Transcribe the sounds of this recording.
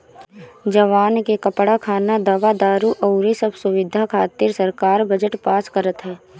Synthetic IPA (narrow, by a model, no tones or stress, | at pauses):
d͡ʒɐʋaːnkekɐpɽakʰaːnad̪ɐʋad̪aːɾuʔɐʊɾisɐbsʊʋɪd̪ʱakʰaːt̪iɾsɐɾkaːɾbɐd͡ʒəʈpaːskəɾət̪ɦɛː